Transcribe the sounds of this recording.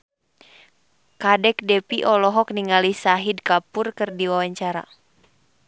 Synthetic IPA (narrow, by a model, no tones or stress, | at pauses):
kadɛk̚dɛpiʔɔlɔɦɔk̚niŋalisaɦidkapurkɨrdiwawaɲt͡ʃaɾa̰